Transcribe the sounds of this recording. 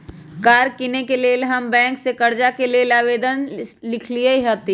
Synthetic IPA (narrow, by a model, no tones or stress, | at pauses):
kaːɾkinekelelɦɐmbɛ̃ːŋksekɐɾd͡ʒakelielaːʋeːd̪ənlɪkʰlieiɦoːt̪i